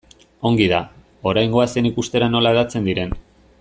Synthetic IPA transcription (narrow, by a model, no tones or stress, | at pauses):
o̞ŋɡið̞a | o̞ɾajŋɡo̞asienikust̪e̞ɾano̞laeðat͡se̞nd̪iɾe̞n